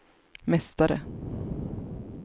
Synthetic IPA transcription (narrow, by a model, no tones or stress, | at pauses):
mɛst̪aɾə̰